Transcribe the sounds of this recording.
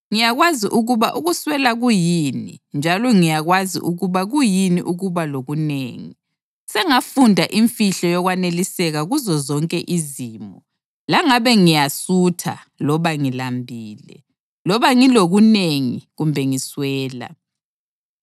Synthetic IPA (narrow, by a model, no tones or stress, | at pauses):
ŋijaɣwaziʔuɣuβaʔuɣuswɛlaɣujinḭnd͡ʒʱalɔŋijaɣwazḭʔuɣuβaɣujiniʔuɣuβaloɣuneːŋi | sɛŋafundʱaʔiɱfiɬɔjɔɣwanelisɛɣaɣuzɔzɔŋkʼɛʔizimɔ | laŋaβɛŋijasutʰa̰ | lɔβaŋilambʱiːlɛ̰ | lɔβaŋiloɣuneŋḭɣumbʱɛŋiswɛːla̰